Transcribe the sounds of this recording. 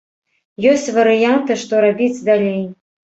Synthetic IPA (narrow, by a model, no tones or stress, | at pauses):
jɔsʲt͡sʲvɐɾɨjant̪ɨʂt̪ɔɾabʲit͡sʲd̪alʲej